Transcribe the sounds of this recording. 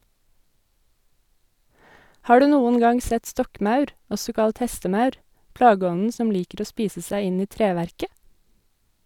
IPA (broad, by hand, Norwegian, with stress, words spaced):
ˈhɑː ˈɖʉː ˈnuːən ˈɡɑŋ ˈsɛt ˈstɔkˌmɑʉɾ ˈɔsɔ ˈkɑlt ˈhɛstəˌmɑʉɾ ˈplɑːɡəˌɔnən ˈsɔm ˈliːkəɾ ˈoː ˈspiːsə ˈsæɪ ˈɪn ˈiː ˈtɾeːʋæɾkə